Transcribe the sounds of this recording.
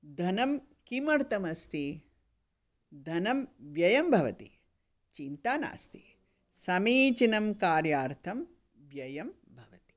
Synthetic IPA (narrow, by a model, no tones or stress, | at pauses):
d̪ʱɐnɐm | kimɐɾt̪ɐmɐst̪i | d̪ʱɐnɐmʋjɐjɐmbʱɐʋɐ̰t̪ḭ | t͡ʃint̪aːna̰ːst̪i | sɐmiːt͡ʃinɐmkaːɾjaːɾt̪ʰɐm | ʋjɐjɐm | bʱɐʋɐt̪i̥